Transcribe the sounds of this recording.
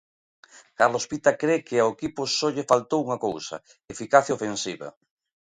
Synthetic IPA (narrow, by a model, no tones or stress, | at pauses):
kaɾlospit̪akɾekɪaoekipʊsoʎefalt̪owuŋakowsɐ̰ | efikaθjaofensiβɐ̰